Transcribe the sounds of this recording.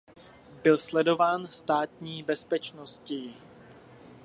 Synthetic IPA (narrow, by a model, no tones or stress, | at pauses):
bɪlslɛdo̞vaːnst̪aːt̪ɲiːbɛspɛt͡ʃnoscɪ